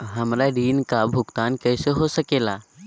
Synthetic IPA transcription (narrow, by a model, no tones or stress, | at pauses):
ɦəmɾaɖiːnkabʱʊkt̪ankəjseɦosəkeːla